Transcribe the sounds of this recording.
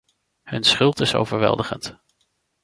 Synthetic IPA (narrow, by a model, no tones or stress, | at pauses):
hɵnsχʏlˠtɪso̰wvəɹʋɛ̰lˠdəχə̰nt